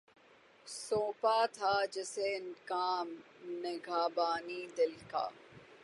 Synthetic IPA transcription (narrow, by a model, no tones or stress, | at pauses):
soːpaːt̪ʰaːd͡ʒɪsenkaːmneɡʱaːbaːniːd̪ɪlka̰ː